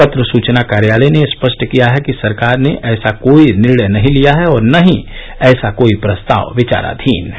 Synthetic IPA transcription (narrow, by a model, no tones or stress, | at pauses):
ət̪ɾəsuːt͡ʃnakaːɾjaːlənespəʃʈʰkijaɦɛkisɐɾkaːɾneʔɛːsakoːinɪɾɽəjnɐɦĩlijaɦɛɔːɾnɐɦĩ | ɛːsakoːipɾɐst̪a̰ːʋʋɪt͡ʃa̰ːɾa̰d̪ʱiːn